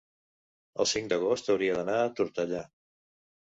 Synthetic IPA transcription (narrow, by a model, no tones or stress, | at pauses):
ə̰lˠsiŋd̪əɣost̪əwɾiəðənaːt̪uɾt̪əʎa